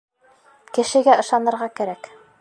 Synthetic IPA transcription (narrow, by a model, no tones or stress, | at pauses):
kɘ̆ʃɘ̆ɡæɤ̆ʃɑnɤ̆ɾʁɑkæɾæk